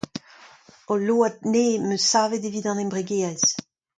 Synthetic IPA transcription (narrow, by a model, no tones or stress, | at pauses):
oloːad̚neːmøsaːvedeviːdɑ̃nembʁeɡeːɛz